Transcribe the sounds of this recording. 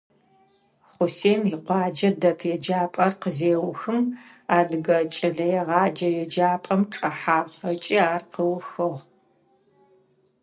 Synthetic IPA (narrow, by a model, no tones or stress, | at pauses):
χʷʊseːnjɪqʷɑːd͡ʒɐdɐtʰjɛd͡ʒaːpʼɐrqəzeːwʊxɨmaːdɨɡɐt͡ʃʼɪɮɐjɛʁɑːd͡ʒɐjɛd͡ʒaːpʼɐmʈ͡ʂʼɐħaːʁɐt͡ʃʼɪaːrqəwxɨʁ